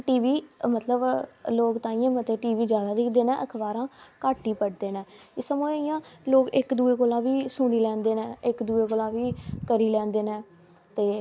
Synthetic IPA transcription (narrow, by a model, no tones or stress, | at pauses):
ʈiːʋiːmət̪ləbloːkt̪ãːiːãːmət̪eːʈiːʋiːd͡ʒjaːd̪aːd̪ɪkʰd̪eːnɛ̃ːʔəkʰbaːɾãːkaːʈːiːpəɽd̪eːnɛ̃ːɪsəmoːijãːloːkɪkd̪uːeːkoːlãːʋiːsʊɽiːlɛ̃ːnd̪eːnɛ̃ːɪkd̪uːeːkoːlãːʋiːkəɾiːlɛ̃ːnd̪eːnɛ̃ː | t̪eː